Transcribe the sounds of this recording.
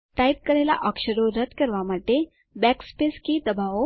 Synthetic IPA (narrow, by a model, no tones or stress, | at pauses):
tajp̚kəɾajla̰ʔəkɕəɾoɾət̪kəɾʋamaʈːe | bɛkspeskiːd̪əbʱaʋo